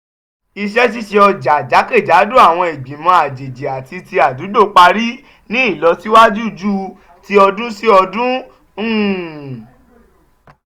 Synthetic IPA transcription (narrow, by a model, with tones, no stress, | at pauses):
i˧ʃɛ˦t̬i˦ʃe˧ɔ˧d͡ʒa˨d͡ʒa˨˦ke˦˨d͡ʒa˨˦du˦a˦˨w̃ɔ̃˧e˨ɡ͡bĩ˨mɔ̃˧a˨d͡ʒe˨d͡ʒe˨a˨ti˧ti˧a˨du˨˦do˦˨k͡pa˧ɾi˦ | nĩ˦i˦˨lɔ˧ti˦wa˦d͡ʒu˦d͡ʒu˦ | ti˦ɔ˧dũ˦si˦ɔ˧dũ˦˨